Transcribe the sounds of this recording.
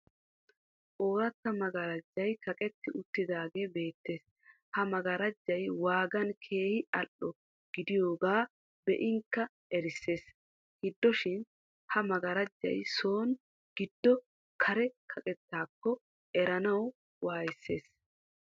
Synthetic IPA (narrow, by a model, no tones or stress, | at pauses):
ʔoːɾɐt̪ːɐmɐɡɐɾɐd͡ʒːɐjkʰɐkʼɛt̪ːɪʔʊt̪ːɪd̪aːɡe̞ːbe̞ːt̪ːe̞ːs | hɐmɐɡɐɾɐd͡ʒːɐjwaːɡɐnkʰe̞ːhɪɐlːɔ | ɡ̥ɪd̪ɪjo̞ːɡaː | bɛʔɪŋkːɐ | ɛɾɪsːe̞ːs | hɪd̪ːɔʃɪn | hɐmɐɡɐɾɐd͡ʒːɐ̰jso̞ːn | ɡ̥ɪd̪ːɔ | kʰɐɾɛkʰɐkʼɛt̪ːaːkːɔ | ʔɛɾɐnɐw | waːjɪsːe̞̰ːs